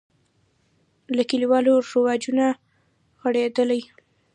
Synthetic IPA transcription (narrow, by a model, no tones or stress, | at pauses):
lakəliwɑloɾawɑd͡ʒuna | ɣaɽed̪əlaj